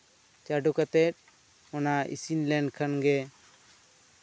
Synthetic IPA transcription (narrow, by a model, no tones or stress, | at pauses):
t͡ʃaɖukat̪ɛt̪̚ˀ | ɔnaʔḭsinlɛnɖkʰanɡɛ